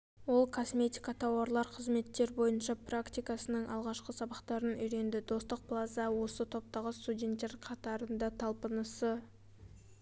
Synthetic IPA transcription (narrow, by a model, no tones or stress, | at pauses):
wo̞lˠkʰo̞sme̞t̪ʲijkat̪ʰɑwɑɾlˠɑɾqʰəzme̞t̪ːe̞ɾbo̞jənʃɑprakt̪ʲijkasənəɴʔɑ̰lˠʁɑʃqəsɑbɑqt̪ɑɾənʏjɾe̞nd̪ɪd̪o̞st̪əq̚plˠazawo̞sət̪ʰo̞p̚t̪ɑʁəst̪udʲent̪ːe̞ɾqʰɑt̪ɑɾənd̪ɑt̪ʰɑlˠpənəsə